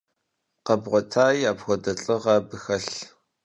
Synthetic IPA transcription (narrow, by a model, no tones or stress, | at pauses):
qɐbʁʷɔtʰaːjaːbxʷɔdɐɬʼɨʁɐbɨxɐɬ